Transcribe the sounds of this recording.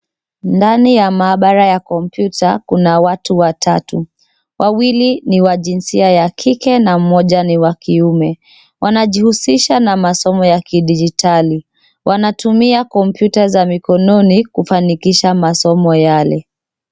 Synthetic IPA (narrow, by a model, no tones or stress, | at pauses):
ndanijamaːɓaɾajakɔm̩pjutʰakunawatuwatʰatu | wʔawiliniwaʄinsiajakʰikɛnam̩mɔʄaniwakiumɛ | wʔanaʄihusiʃanamasɔmɔjakiɗid͡ʒitʰali | wʔanatumiakɔmpjutazamikɔnɔnikufanikiʃamasɔmɔjalɛ